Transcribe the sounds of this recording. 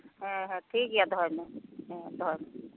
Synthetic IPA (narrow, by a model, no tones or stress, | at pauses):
ɦə̃ɦʈʰikjad̪ʱɔɾmeɦd̪ʱɔɾme